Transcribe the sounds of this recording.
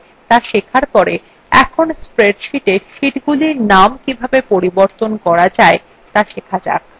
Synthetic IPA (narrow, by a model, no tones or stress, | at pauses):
t̪aʃekʰaɾpɔɾe | ɛ̰kʰonspɾeɖʃiʈeʃiʈɡuliɾnamkibʱabepoɾiboɾt̪onkɔɾad͡ʑae | t̪aʃekʰad͡ʑa̰k̚